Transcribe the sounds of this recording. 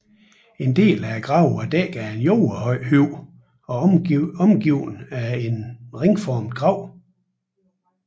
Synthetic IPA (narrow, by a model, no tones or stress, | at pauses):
e̝nd̥e̝̰ːlæɡ̥ʁɑ̈ʊ̰ɐd̥ɛɡ̥æenjoʊɐhyʊ̰ | ɒ̽ɒ̽mɡ̥iʊ̰næe̝nʁeŋfɒːmd̥ɡ̥ʁɑ̈ʊ̰